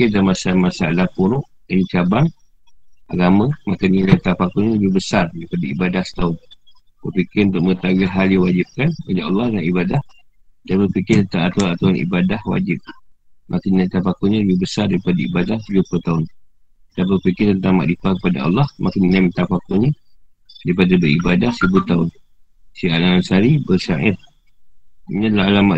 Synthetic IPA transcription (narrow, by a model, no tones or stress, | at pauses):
ikɪdalmasamasaʔlapuɾʊʔ | ənit͡ʃabaŋ | ʔa̰ɡamə̃makanəlat̪apakuɲaləbɪhbəsardaɾipadaibadahsə̥t̪aʊn | bərpikɪɾunt̪ʊʔ̚məŋət̪awiɦaljawad͡ʒip̚kanwad͡ʒaʔɑlːɑhdaŋibadah | danbəpikɪrt̪ənt̪aŋat̪uanat̪awanḭbadahwa̰d͡ʒɪp̚mʔakiinamt̪apakuɲaləbɪbəsardaɾipadaibadahd͡ʒuəput̪aʊn | ət̪ap̬əpikɪrt̪ənt̪aŋma̰ʔdipakəpada̰ɑ̰lːɑhmakəninamit̪apakoɲa | daɾipadabəɾibadahsəbut̪aʊn | siʔa̰ʔaansaɾibərsa̰ʔɪ̰t̚ | iɲãdlaalamaʔ